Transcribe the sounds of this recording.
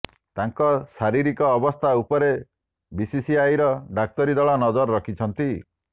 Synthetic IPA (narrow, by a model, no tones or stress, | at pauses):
t̪aŋkɔsaɾiɾikɔːbɔst̪ʰaupɔɾe | bisisiajɾɔɖak̚t̪ɔɾid̪ɔɭɔnɔd͡ʒɔɾɔɾɔkʰit͡ʃʰɔnt̪i